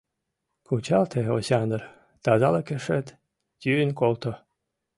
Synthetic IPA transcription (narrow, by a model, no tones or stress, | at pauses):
kʰut͡ɕɑlt̪ʰeosʲɑnər | t̪ɑzɑlɤkeʂet̪ | t̪ʲynkolt̪o